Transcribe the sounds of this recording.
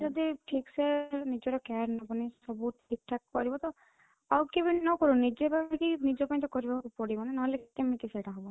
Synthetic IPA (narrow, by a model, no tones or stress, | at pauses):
d͡ʒɔd̪iʈʰiksenid͡ʒɔɾɔkaɾnɔpanisɔbuʈʰik̚ʈʰak̚ːɔɾibɔt̪ɔ | awkebinɔkɔɾunid͡ʒepaĩkinid͡ʒɔpaĩt̪ɔkɔɾibakupɔɽibɔnanɔɦɔlekit̪emik̪iseʈʰaɦɔbɔ